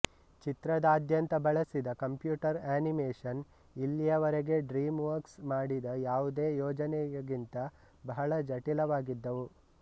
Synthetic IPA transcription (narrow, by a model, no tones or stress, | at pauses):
t͡ʃit̪ɾɐd̪aːd̪ʱjɐnt̪ɐbɐɭɐsid̪ɐkɐmpjuːʈɐɾaːnimeːʂɐn | ilːijɐʋɐɾeɡe̞ɖɾiːmʋɐɾksmaːɽid̪ɐjaːʋud̪e̞ːjɔːd͡ʒɐnɛjɐɡint̪ɐ | bɐɦɐɭɐd͡ʒɐʈilɐʋaːɡid̪ːɐʋu